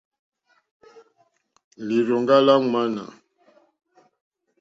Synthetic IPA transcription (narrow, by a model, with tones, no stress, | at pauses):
li˨ɾɔ˨ŋɡa˦la˦ŋwa˦na̰˨